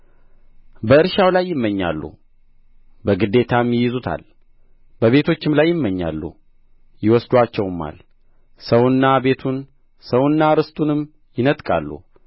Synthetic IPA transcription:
bəɨɾʃawlajːɪmːəɲːa̰lːṵ | bəɡɨd̪ːe̞t̪ʰamːjɪjɪzut̪ʰa̰l | bəβe̞t̪ʰo̞t͡ʃːɪmlajːɪmːəɲːa̰lːṵ | jɪwɔsd̪wat͡ʃːɛwmːa̰l | səwnːabe̞t̪ʰun | səwnːaɾɨst̪ʼunɨm | jɪnət̪ʼkʼa̰lːṵ

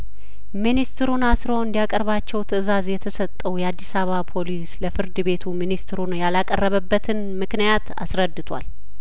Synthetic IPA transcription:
minist̪ɨɾunasɾoɨnd̪ijakʼəɾβat͡ʃːɛwt̪ʰɨzazjɛt̪ʰəsət̪ʼːəwjɛad̪ːisaβapʰo̞lisləfɨɾd̪ɨbe̞t̪ʰuminist̪ɨɾunjalakʼərːəβəbːət̪ʰɨnmɨknijat̪a̰sɾəd̪ːɨt̪ʰwa̰l

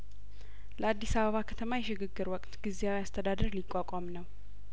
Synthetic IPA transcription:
ləad̪ːisaβəβakʰət̪ʰəmajɛʃɪɡɨɡːɨɾwɔkʼt̪ɡizeawiast̪ʰəd̪ad̪əɾlikʼːakʷʼamnəw

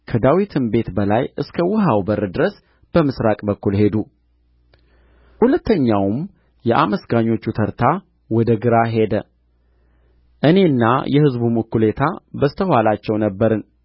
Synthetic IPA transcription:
kʰəd̪awit̪ʰɨnbe̞t̪bəlajʔɨskʰəwɨɦawbəɾːɨd̪ɨɾəs | b̥əmɨsɾakʼbəkːulhe̞d̪u | hulət̪ːəɲːawm | jɛʔa̰məsɡaɲo̞t͡ʃːut̪ʰəɾt̪ʰa | wɔd̪əɡɨɾaɦe̞d̪ə | ʔɨne̞ɨnːa̰jɛhɨzbumɨkːule̞t̪ʰabəst̪ʰəhalat͡ʃːɛwnəbːəɾɨn

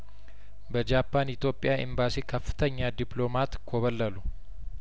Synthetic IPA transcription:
bɐd͡ʒaːpːaːnɪt̪jo̞ːpʼːɪjaːʔɪ̰mbaːsiːkɐfːɪ̥t̪ɐɲːaːd̪ɪplo̞ːmaːt̪kʰoβɐlːɐlʊ

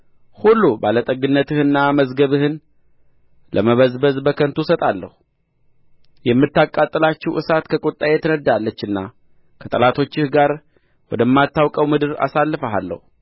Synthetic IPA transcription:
hulːubalət̪ʼəɡɨnːət̪ʰɨhɨnːaməzɡəβɨhɨn | lʔəməβəzbəzbəkʰənt̪ʰusət̪ʼalːə̰hu | jɛmːɨt̪ːakʼat̪ʼːɨlat͡ʃːɛwʔɨsat̪kʰəkʼot̪ʼːajɛt̪ʰənəd̪alːət͡ʃːɨnːa | kʰət̪ʼəlat̪ʰo̞t͡ʃːɪhɡaɾ | wɔd̪əmːat̪ːawkʼəwmɨd̪ɨɾa̰salːɨfəɦalːə̰hu

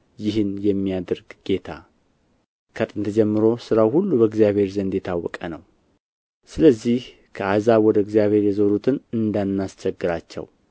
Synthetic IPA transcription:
jɪɦɨnjɛmːijad̪əɾɡɡ̥e̞t̪ʰa̰ | kʰət̪ʼɨnt̪ʰəd͡ʒɛmːɨɾo̞sɨɾawhulːubəɨɡzjaβhe̞ɾzənd̪jɛt̪ʰawːɔkʼənəw | sɨləzːih | kʰəazaβwɔd̪əɨɡzijaβhe̞ɾjɛzoɾut̪ʰɨnɨnd̪anːast͡ʃɛɡːɨɾat͡ʃːɛ̰w

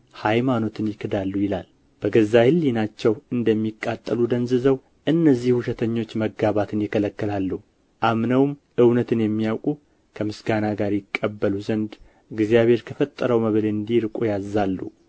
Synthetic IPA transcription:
hajmano̞t̪ʰɨnjɪkʰːɨd̪alːujɪla̰l | b̥əɡəzːahɨlːinat͡ʃːɛwɨnd̪əmːikʼːat̪ʼːəlud̪ənzɨzəw | ʔɨnːəzːihhuʃɛt̪ʰəɲːo̞t͡ʃːməɡaβat̪ʰɨnjɪkʰələkːɨlalːuh | ʔamnəwm | ʔɨwnət̪ʰɨnjɛmːijawkʼu | kʰəmɨsɡanaɡaɾjɪkʼːəbːəluzənd̪ | ɨɡzijaβe̞ɾkʰəfət̪ʼːəɾəwməβleɨnd̪iɾkʼujazːalːṵ

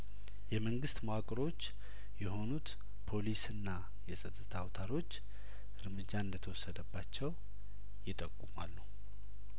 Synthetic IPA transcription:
jɛməŋɡɨst̪moakʼɾo̞t͡ʃː | jɛɦo̞nut̪ | pʰo̞lisɨnːa | jɛsʼət̪ʼːɨt̪ʰawt̪ʰaɾo̞t͡ʃː | ʔɨɾmɨd͡ʒːaɨnd̪ət̪ʰəwɔsːəd̪əbːat͡ʃːɛw | jɪt̪ʼəkʼːuma̰lːu

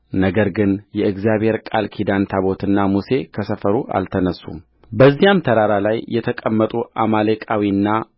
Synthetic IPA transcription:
nəɡəɾɡɨnjɛɨɡzijaβhe̞ɾkʼalkʰid̪ant̪ʰaβo̞t̪ɨnːamuse̞kʰəsəfəɾuʔa̰lt̪ʰənəsːṵm | bəzːihamt̪ʰəɾaɾalajːɛt̪ʰəkʼəmːət̪ʼuʔa̰malekʼawiɨnːa

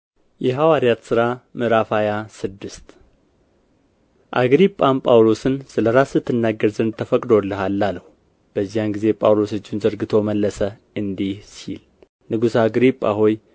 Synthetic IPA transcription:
jɛɦawaɾjat̪sɨɾamɨɾafajasɨd̪ːɨst̪ | ʔaɡɾipʼːampʼawlo̞sɨnsɨləɾasɨt̪ʰːɨnːaɡːəɾzɨnd̪t̪ʰəfəkʼd̪o̞lːɨɦalːaləh | b̥əzːijanɡize̞pʼawlo̞sɨt͡ʃːɪnzəɾɡɨt̪ʰo̞məlːəsə | ɨnd̪ihsḭl | nɨɡusaɡɾipʼːa̰hoj

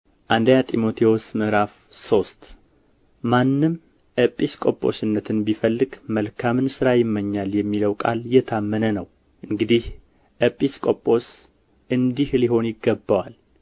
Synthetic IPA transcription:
ʔand̪əjat̪ʼimo̞t̪ʰiwosmɨɾaf | so̞st̪ | manːɨm | ʔəpʼiskʼo̞̰pʼːo̞̰sɨnːət̪ʰɨnbifəlːɨɡməlkʰamɨnsɨɾajɪmːəɲːaljɛmːiləwkʼa̰ljɛt̪ʰamːənənəw | ʔɨŋɡɨd̪ih | ʔəpʼːiskʼopʼo̞s | ʔɨnd̪ihliho̞njɪɡːəbːawal

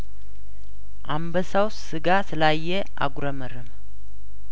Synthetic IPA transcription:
ʔambəsaws | ɨɡasɨlajːɛ | a̰ɡʷuɾəməɾɨm

